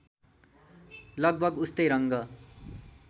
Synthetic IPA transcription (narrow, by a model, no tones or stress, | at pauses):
lʌɡ̚bʱʌɡust̪ʌjɾʌŋɡʌ